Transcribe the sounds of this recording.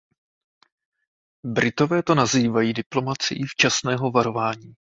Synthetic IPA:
bɾʔɪt̪o̞vɛːt̪o̞naziːvajiːdɪplo̞mat͡sɪ̰jift͡ʃasnɛːɦo̞vaɾo̞vaːɲiː

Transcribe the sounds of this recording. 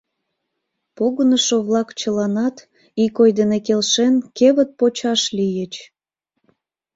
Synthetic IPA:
poɣənəʃoβlɑkt͡ɕəlɑnɑt̪ | ikojd̪enekelʃenkeβət̪̚pot͡ɕɑʃlijət͡ɕ

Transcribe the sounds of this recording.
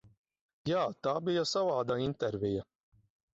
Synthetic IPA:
jaːt̪aːbijasavaːd̪aint̪ɛɾvʲija

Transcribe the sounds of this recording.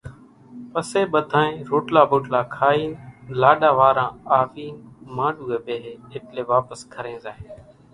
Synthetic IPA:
pəseːɓəd̪ʱãːẽːɾoːʈlaːboːʈlaːkʰaːiːnlaːɗaːʋaːɾãːaːʋiːnmãːɖuːɡeːɓeːɦeːeːpleːʋaːpəskʰəɾẽːzaːɦeː

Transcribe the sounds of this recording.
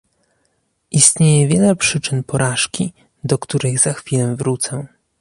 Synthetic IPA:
ʔist̪ɲejɛvʲjɛlɛpʂɘt͡ʂɘnpɔɾʔaʂkʲi | d̪ɔkt̪uɾɘɣzaxfʲilɛvɾut̪sɛ

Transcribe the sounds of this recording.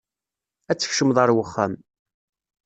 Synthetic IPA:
æt͡sːə̥çʃəmðˤɑɾˤwəχːæ̰m

